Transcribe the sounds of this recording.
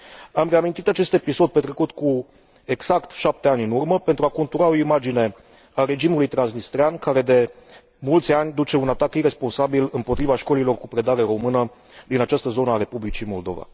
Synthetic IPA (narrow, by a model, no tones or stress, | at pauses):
amre̞amint̪it̪at͡ʃe̞st̪e̞piso̞d̪̚pe̞t̪ɾe̞kut̪ku | e̞ɡz̥akt̪ʃap̚t̪e̞anʲɨnurməpe̞nt̪ɾuakont̪uɾao̞imad͡ʒine̞ | aɾe̞d͡ʒimulujt̪ɾansnist̪ɾeankaɾe̞d̪e̞ | mult̪sʲanʲd̪ut͡ʃe̞unat̪akiɾe̞spo̞nsabilɨmpo̞t̪ɾivaʃko̞lilo̞rkupɾe̞d̪aɾe̞ɾo̞mɨnə | d̪inat͡ʃast̪əzo̞naːɾe̞publit͡ʃimo̞ld̪o̞̰va̰